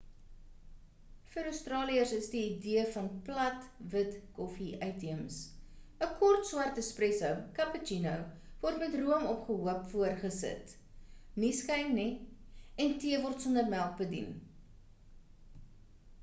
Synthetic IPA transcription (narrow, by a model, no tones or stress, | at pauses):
fəɾəwstrɑːliəsəsdiːdiəfɐnplɐtvətkɔfiʔɐjtiəmsəkɔrtswɐrtəsprɛsəwkɐpət͡ʃinowvɔrtmɛtruəmɔpχəɦuəpfuərχəsə̰t | niskɐjmni | ɛntiəvɔrtsɔnərmælˠk̚bədḭn